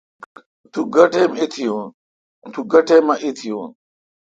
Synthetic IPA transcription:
t̪ʰuɡɐʈemit̪ʰijuːn | t̪ʰuɡɐʈʰemɐʔit̪ʰijoːn

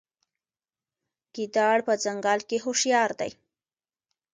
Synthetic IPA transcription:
ɡ̥id̪ɑɽpəzaŋɡɑlkeɦoʃjɑɾd̪a̰j

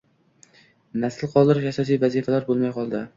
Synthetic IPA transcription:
nasɪlˠqʰɒlˠd̪ɪɾɪʃasɒs̬ijvazifalaɾbolˠmajqɒlˠd̪ɪ

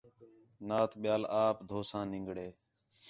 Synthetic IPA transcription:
naːt̪ʰɓɪjaːlaːpd̪ʱoːsãːnɪ̃ŋɡɽeː

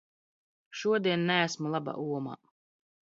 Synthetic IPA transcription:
ʃuɔd̪iɛnnææsmulˠaba̰ʔuɔma̰ː

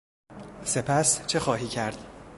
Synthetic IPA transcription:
se̞pʰæst͡ʃʰe̞xɒːɦiːcʰæɾd̪̥

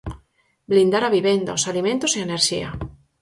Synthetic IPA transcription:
blind̪aɾaβiβend̪a̰osalimẽnt̪oseaeneɾʃḭa̰

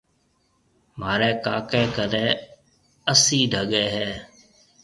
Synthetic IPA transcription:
maːɾɛːkaːkeːkəɾẽː | əsĩːɖʱəɠeːɦɛː

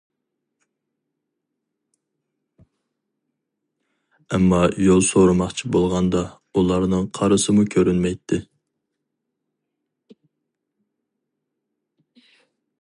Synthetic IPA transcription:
ɛmːɑjolˠsoɾɨmɑχt͡ʃʰibolˠʁɑnd̪ɑ | ulˠɑɾnɨŋqʰɑɾɨsɨmukʲʰøɾynmɛjt̪ʰːɪ

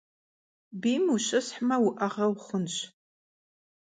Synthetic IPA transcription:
biːmuɕɨsħmɐwʊʔɐʁɐwχʷʊnɕ

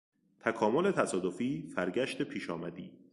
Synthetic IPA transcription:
t̪ʰækʰɒːmo̞le̞t̪ʰæsɒːd̪ofiːfæɾɟæʃt̪e̞pʰiːʃɒːmæd̪ḭː

